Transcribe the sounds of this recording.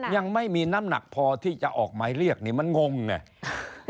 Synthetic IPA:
ja˧ŋma˥˩jmiː˧naː˦˥mna̰˨˩k̚pʰɔː˧t̪ʰiː˥˩t͡ɕa˨˩ʔɔː˨˩k̚maː˨˧jɾi˥˩ək̚niː˧˩ma˧nŋo˧ŋna̰˧˩

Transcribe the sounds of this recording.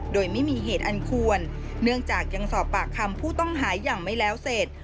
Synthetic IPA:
doː˧jma˥˩jmiː˧ɦeː˨˩t̪̚ʔa˧nkʰu˧ənː | ɯ˥˩əŋt͡ɕaː˨˩k̚ja˧ŋsɔː˨˩pːaː˨˩kʰːa˧mpʰuː˥˩t̪ɔ˥˩ŋɦaː˩˦jːaː˨˩ŋma˥˩jlɛː˦˥wse˨˩t̪̚

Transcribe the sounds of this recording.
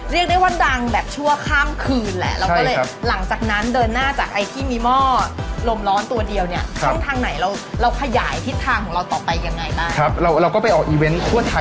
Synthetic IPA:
ɾi˥˩ək̚da˥˩jwaː˥˩da˧ŋbɛː˨˩p̚t͡ɕʰu˥˩ɐkʰaː˥˩mkʰɯː˧nlɛ̰˨˩ʔɾa˧wɔː˥˩lɤː˧˩˦la˩˦ŋt͡ɕaː˨˩k̚na˦˥ndɤː˧nːaː˥˩t͡ɕaː˨˩k̚ʔa˧jt̪ʰiː˥˩miː˧mɔː˥˩lo˧mɾɔː˦˥nt̪u˧ɐdi˧əwni˥˩ɐkt͡ɕʰɔ˦˥˩ŋt̪ʰaː˧ŋna˩˦jɾa˧wɾa˧wkʰa˧jaː˩˦jt̪ʰi˦˥t̪ʰːaː˧ŋkʰɔː˩˦ŋɾa˧wt̪ɔː˨˩pa˧jːa˧ŋːa˧jbaː˥˩ŋʰa˦˥p̚ɾa˧wɾa˧wkɔː˥˩pa˧jʔɔː˨˩k̚ʔiː˧we˦˥nkʰu˥˩ɐt̪ʰa˧

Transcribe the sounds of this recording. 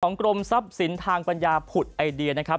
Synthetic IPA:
ɔː˩˦ŋkɾo˧msa˦˥p̚si˩˦nt̪ʰaː˧ŋpa˧njaː˧pʰu˨˩t̪̚ʔa˧jdi˧ɐna˦˥kʰa˦˥p

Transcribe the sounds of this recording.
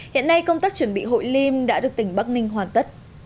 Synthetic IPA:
hḭ˧˨ənːa˧jkə˧wŋ͡mt̪aː˦˥k̚t͡ɕwə˧˩nɓḭ˧˨ɦo̰˧˨jli˧mɗa̰ː˧˥ɗɨ˨˩ək̚t̪ï˧˩ŋ̟ɓa˦˥k̚nï˧ŋ̟ɦwaː˨˩nt̪ə˦˥t̚

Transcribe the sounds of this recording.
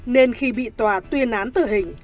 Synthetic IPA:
ne˧nxi˧ɓḭ˧˨t̪waː˨˩t̪wi˧ənʔaː˨˦nt̪ɨ˧˨˩ɦï˨˩ŋ̟

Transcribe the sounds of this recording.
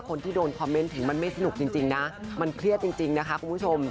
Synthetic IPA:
kʰo˧nt̪ʰiː˥˩doː˧nkʰɔː˧mːe˦˥nt̪ʰɯ˨˩˦ŋma˧nma˥˩jsa˧nu˨˩k̚t͡ɕi˧ŋt͡ɕi˧ŋna˦˥ma˧nkʰɾi˥˩ət̪̚t͡ɕi˧ŋt͡ɕi˧ŋna˦˥kʰa˦˥kʰu˧mpʰu˥t͡ɕʰo˧m

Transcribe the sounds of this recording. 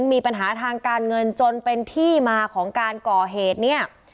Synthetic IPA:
nmiː˧pa˧nɦaː˩˦t̪ʰaː˧ŋkaː˧nŋɤ˧nt͡ɕo˧npe˧nt̪ʰiː˥˩maː˧kʰɔː˩˦ŋkaː˧nkɔː˨˩ɦeː˨˩t̪̚ni˥˩ɐ

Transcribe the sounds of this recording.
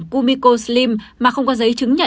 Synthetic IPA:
ku˧mi˧ko˧sli˧mmaː˨˩xə˧wŋ͡mkɔ˨˦zə˨˦jt͡ɕɨ˨˦ŋɲə̰˧˨

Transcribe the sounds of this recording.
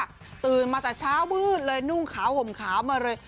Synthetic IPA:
t̪ɯː˨˩nmaː˧t̪aː˨˩t͡ɕʰaː˦˥wwɯː˧˥˩t̪̚lɤː˧jnu˧˩ŋkʰaː˨˩˦who˨˩mkʰaː˩˦wmaː˧ɾɤː˧j

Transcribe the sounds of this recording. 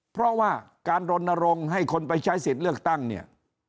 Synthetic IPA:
pʰɾɔ˦˥waː˥˩kaː˧nɾo˧nːa˧ɾo˧ŋɦa˥˩jkʰo˧npa˧jt͡ɕʰaː˦˥jsi˨˩t̪̚lɯ˥˩ək̚t̪a˥˩ŋni˥˩ɐ

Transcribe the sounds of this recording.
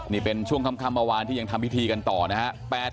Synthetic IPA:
niː˥˩pe˧nt͡ɕʰu˥˩əŋkʰa˧mkʰa˧˩mːaː˧waː˧nt̪ʰiː˥˩jŋt̪ʰa˧mpːi˦˥t̪ʰiː˧ka˧nt̪ɔː˨˩na˦˥ha˦˥ʔpɛː˨˩t̪̚

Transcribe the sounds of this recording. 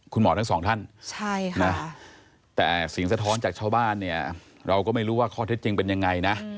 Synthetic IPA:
kʰu˧nmɔː˩˦t̪a˦˥ŋsɔː˩˦ŋt̪ʰa˥˩nt͡ɕʰa˥˩jna˦˥ | t̪ɛ̰ː˨˩si˨˩˦ŋsa˧t̪ʰɔː˦˥nt͡ɕaː˨˩k̚t͡ɕʰaː˥˩wbaː˥˩nːi˥˩ɐ | ɾa˧wkɔː˥˩ma˥˩jɾuː˦˥waː˥˩kʰɔː˥˩t̪ʰe˦˥t̪̚t͡ɕi˧ŋpe˧nja˧ŋːa˧jna˦˥

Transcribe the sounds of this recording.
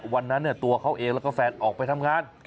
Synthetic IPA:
wa˧nːa˦˥nːi˥˩ɐt̪u˧ɐkʰa˦˥wʔeː˧ŋlɛː˦˥wkɔː˥˩fɛː˧nʔɔː˨˩k̚pa˧jt̪ʰa˧mŋaː˧n

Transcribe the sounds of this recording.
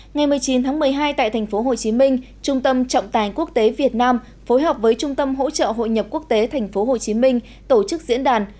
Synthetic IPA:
ŋa˨˩jmɨ˨˩əjt͡ɕi˨˦nt̪ʰaː˨˦ŋmɨ˨˩əjɦaː˧jt̪a̰ː˧˨jt̪ʰɛ˨˩jŋ̟fo˨˦ɦo˨˩t͡ɕi˨˦mï˧ŋ̟ | t͡ɕʊ˧ŋ͡mt̪ə˧mt͡ɕɔ̰˧˨wŋ͡mt̪aː˨˩ŋku˦˥ək̚t̪e˨˦vi˨˩ət̚naː˧m | fo˨˦jɦəː˨˩p̚vəː˨˦jt͡ɕʊ˧ŋ͡mt̪ə˧mɦo̰˧˥t͡ɕə̰ː˧˨ɦo̰˧˨jɲə˨˩p̚ku˦˥ək̚t̪e˨˦t̪ʰa˨˩ŋ̟fo˨˦ɦo˨˩t͡ɕi˨˦mï˧ŋ̟ | t̪o˧˩t͡ɕɨ˦˥k̚zḭ˧˥ənɗaː˨˩n

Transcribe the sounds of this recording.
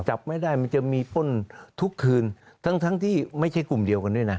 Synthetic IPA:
t͡ɕa˨˩p̚ma˥˩jda˥˩jma˧nt͡ɕa˨˩miː˧po˥˩˨nt̪ʰu˦˥kʰːɯː˧n | t̪ʰa˦˥ŋt̪ʰa˦˥ŋt̪ʰiː˥˩ma˥˩jt͡ɕʰa˥˩jku˨˩mdi˧əwka˧ndu˥˩˨jna˦˥

